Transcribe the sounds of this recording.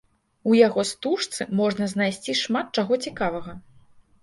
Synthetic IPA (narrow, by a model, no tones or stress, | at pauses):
ujaɣɔst̪uʂt̪sɨmɔʐnɐznajsʲt͡sʲiʂmat̪̚t͡ʂaɣɔt͡sʲikavɐɣɐ